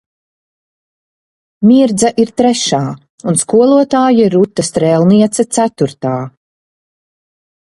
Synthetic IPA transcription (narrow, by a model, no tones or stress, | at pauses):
mʲiɾd̪zɐʔiɾt̪ɾɛʃaː | unskuɔlˠuɔt̪aːjiɾut̪ːast̪ɾɛlˠniɛt̪sɐt̪sæt̪uɾt̪aː